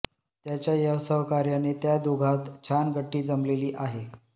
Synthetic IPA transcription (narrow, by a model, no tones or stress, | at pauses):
t̪jat͡ɕjajəwsəɦkaɾjanet̪jad̪uɡʱat̪t͡ɕʰanɡʱəʈːiːd͡zəmleliːʔaɦe